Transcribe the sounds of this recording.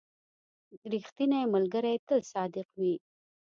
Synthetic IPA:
ɾixt̪inajmalɡəɾajt̪əlsɑd̪ɪqwi

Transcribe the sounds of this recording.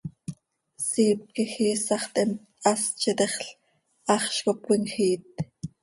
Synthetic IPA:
siːp̚kixiːsɑχt̪ʔɛm | ɑst͡ʃɛt̪ɛχɬ | ʔɑχʃkopwiŋxiːt̪̚

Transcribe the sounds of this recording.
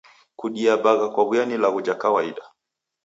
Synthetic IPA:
kuɗiaɓaɣakwaβwjanilaɣud͡ʒakawaiɗa

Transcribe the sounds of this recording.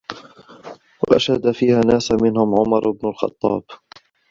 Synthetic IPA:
wa̰ʔa̰ʃhad̪afiːhaːnaːsmɪnhʊmʕʊmɑɾˤɪbnʊlxɑ̰t̪ˤːɑ̰ːb

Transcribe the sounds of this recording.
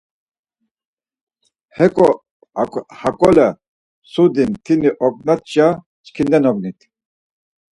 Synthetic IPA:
hɛkʼɔ | kʼhakʼɔlɛ | sud̪int̪ʰiniʔɔk̚ʼnat̪̚t͡ʃʼa | t͡ʃkʰind̪ɛnɔɡnit̪ʰ

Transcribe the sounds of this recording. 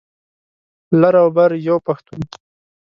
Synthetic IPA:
laɾawbaɾjowpaxt̪un

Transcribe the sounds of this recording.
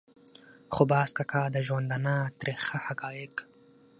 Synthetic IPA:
χobaːskakʰaːd̪aʒwand̪anaːt̪ɾexahakɑːjek

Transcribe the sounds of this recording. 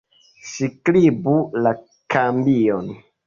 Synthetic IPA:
siklibula | kʰambion

